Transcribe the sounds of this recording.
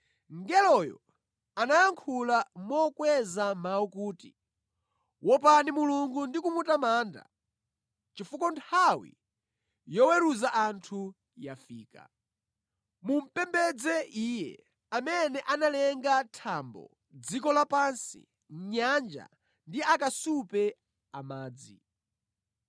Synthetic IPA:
ŋɡɛlɔjɔ̰ | anajaŋkʰulamɔkwɛzamawɔkuːti | wɔpanimuluŋɡundikumutamaːnda̰ | t͡ʃifukɔntʰawḭ | jɔwɛɾuzaʔantʰu | jafiːka̰ | mum̩pɛmbɛd͡zɛʔiːjɛ̰ | amɛnɛʔanalɛŋɡatʰambɔ̰ | d͡zikɔlapansḭ | ɲand͡ʒa̰ | ndiakasupɛ | amaːd͡zi

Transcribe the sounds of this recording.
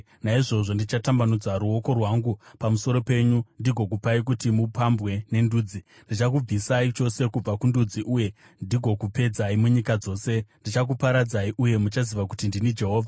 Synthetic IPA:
naiʐo̞ʐo̞ndit͡ʃatambanud͡zaɾuo̞ko̞rwaːŋɡupamuso̞ɾo̞pe̞ɲundiɡʱo̞k̬upaik̬utimupambwe̞ne̞nduːd͡zi | ndit͡ʃak̬ub͡visait͡ʃo̞se̞kub͡vakundud͡ziʔuːje̞ | ndiɡʱo̞kupe̞d͡zaimuɲikad͡zo̞ːse̞ndit͡ʃak̬upaɾad͡zaiʔuje̞mut͡ʃaziʋakutindinid͡ʒe̞ɦo̞ːvʱa

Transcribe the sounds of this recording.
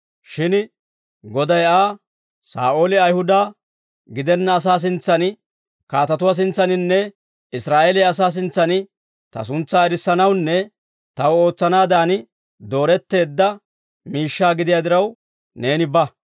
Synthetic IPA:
ʃɪn | ɡɔd̪ɐjaː | sa̰ːʔo̞ːlɪɐjhʊd̪aː | ɡɪd̪ɛnːɐːs̬aːs̬ɪnt͡sːɐnɪ | kaːt̪ɐt̪ʊwaːs̬ɪnt͡sːɐnɪnːɛ | ɪsɾaːʔeːlɪjɐs̬aːs̬ɪnt͡sːɐnɪ | t̪ɐ̰s̬ʊnt͡sːaːɛɾɪsːɐnɐwnːɛ | t̪ɐwo̞ːt͡sːɐnaːd̪aːnɪ | d̪o̞ːɾɛt̪ːe̞ːd̪ːɐ | miːʃːaːɡɪd̪ɪjaːd̪ɪɾɐw | ne̞ːnɪbɐ

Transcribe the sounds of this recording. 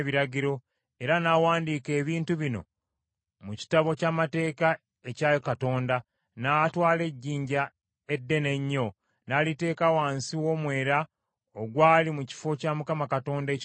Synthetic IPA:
βiɾaɟiɾo̞ | e̞ɾanaːwaːndiːke̞ːβiːntuβino̞̰ | muci̥taβo̞caːmate̞ːka | e̞caːjokato̞ːnda | naːtwaːle̞ɟːiːɲɟa | e̞dːe̞ne̞ɲːo̞ | naːlite̞ːkawaːnsiwo̞mwe̞ːɾa | oɡwaːlimuci̥fo̞camukamakato̞ːndec

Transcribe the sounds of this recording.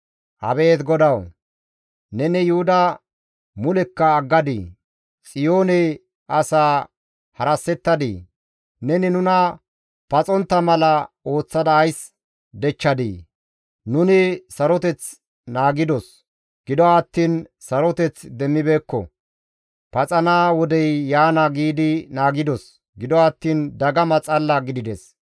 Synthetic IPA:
hɐ̰be̞ːt̪ɡɔd̪ɐw | nɛnɛjʊhʊd̪ɐ | mʊlɛkːɐːɡːɐd̪ḭː | t͡sʼɪjo̞ːnɛj | ʔɐsaː | hɐɾɐsːɛt̪ːɐd̪ḭː | nɛnɪnʊnɐ | pɐt͡sʼɔnt̪ːɐmɐlɐ | o̞ːt͡sːɐd̪ɐːjs | d̪ɛt͡ʃːɐd̪ḭː | nʊnɪsɐɾɔt̪ɛt͡s | naːɡɪd̪ɔs | ɡ̥ɪd̪ɔɐt̪ːiːnsɐɾɔt̪ɛt͡sd̪ɛmːɪbeːkːɔ̰ | pɐt͡sʼɐnaːwɔd̪ɛjːaːnɐɡiːd̪ɪnaːɡɪd̪ɔs | ɡɪd̪ɔɐt̪ːiːnd̪ɐɡɐmɐt͡sʼɐlːɐɡɪd̪ɪd̪ɛs

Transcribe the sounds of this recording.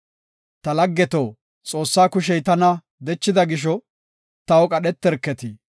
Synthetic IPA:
t̪ɐlɐɡːɛt̪oː | t͡sʼo̞ːsːaːkʊʃɛjt̪ɐnɐ | d̪ɛt͡ʃːɪd̪ɐɡɪʃ̬ɔ | t̪ɐwɔkʼɐɗɛt̪ːɛɾkːɛt̪i

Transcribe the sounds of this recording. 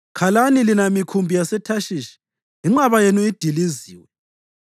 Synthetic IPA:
kʰalanilinamikʰumbʱijasɛtʰaʃiʃi̥ | iŋ͡ǁaβajenuid̥ʱiliziːwɛ

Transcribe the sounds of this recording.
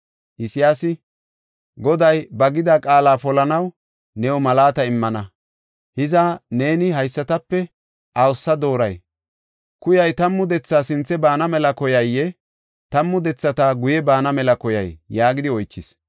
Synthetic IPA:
ʔɪsɪjaːsɪ | ɡɔd̪ɐjbɐɡɪd̪akʼaːlaːpɔlɐnɐw | nɛwɔmɐlaːt̪ɐɪmːɐnɐ | hɪzɐne̞ːnɪɦɐjsːɐt̪ɐpːɛ | ʔɐwɔsːɐd̪o̞ːɾɐj | kʊjɐjt̪ɐmːʊd̪ɛt͡sːaːsɪnt͡sːɛbaːnɐmɛlɐkɔjɐjːɛ | t̪ɐmːʊd̪ɛt͡sːɐt̪aɡʊjɛbaːnɐmɛlɐkɔjɐ̰jjaːɡɪd̪ɪɔjt͡ʃːɪs

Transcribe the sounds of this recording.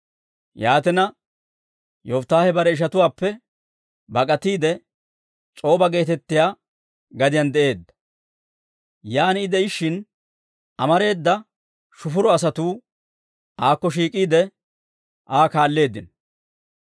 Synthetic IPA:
jaːt̪ɛnɐ | joft̪ːaːhɛbɐɾɛɪʃ̬ɐt̪ʊwaːpːɛ | bɐkʼɐt̪iːd̪ɛ | t͡sʼo̞ːbɐɡe̞ːt̪ɛt̪ːɪjaː | ɡɐd̪ɪjɐnd̪ɛʔe̞ːd̪ːɐ̥ | jaːnɪd̪ɛɪʃːɪn | ʔɐmɐɾe̞ːd̪ːɐ | ʃʊfʊɾɔɐs̬ɐt̪uː | ʔaːkːɔʃ̬iːkʼiːd̪ɛ | ʔaːkaːlːe̞ːd̪ːɪn

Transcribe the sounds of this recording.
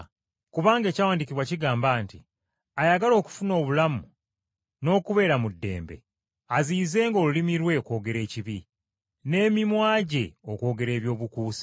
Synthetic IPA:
kuβaːŋɡe̞ːcawaːndikiβwaciɡaːmbaːntḭ | ajaɡalo̞ːku̥funo̞ːβulamu | no̞ːkuβe̞ːɾamudːe̞̰ːmbe̞̰ | aziːze̞ːŋɡo̞ːlulimiɾwe̞ko̞ːɡe̞ɾe̞ːciβi | ne̞ːmimwaːɟe̞oko̞ːɡe̞ɾe̞ːβjo̞ːβukuːsi̥

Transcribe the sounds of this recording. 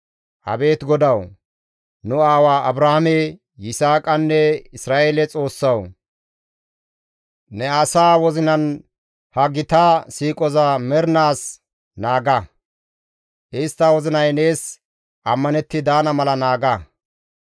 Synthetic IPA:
ʔɐ̰be̞ːt̪ɡɔd̪ɐw | nʊaːwaːʔɐbɾahmɛ | jɪsaːkʼɐnːɛɪsɾaːʔeːlɛt͡sʼo̞ːsːɐw | nɛɐsaːwɔzɪnɐn | hɐɡɪt̪aːsiːkʼɔzamɛɾnaːs | naːɡɐ | ʔɪst̪ːɐwɔzɪnɐjne̞ːs | ʔɐmːɐnɛt̪ːɪd̪aːnɐmɐlɐnaːɡɐ

